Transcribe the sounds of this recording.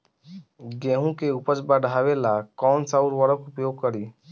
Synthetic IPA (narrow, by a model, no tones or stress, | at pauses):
ɡẽɦũkeupət͡ʃbaɖʱaʋelakɔːnsauɾʋəɾəkupjoːɡ̚kəɾi